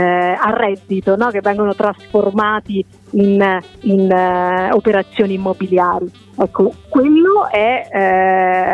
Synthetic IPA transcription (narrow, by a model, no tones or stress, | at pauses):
arːɛd̪ːit̪onɔk̟evːɛŋɡonot̪ɾasformaːt̪i | ininopeɾat̪sːjoːniːmːobiljaːɾi | ɛkːokwelːoɛ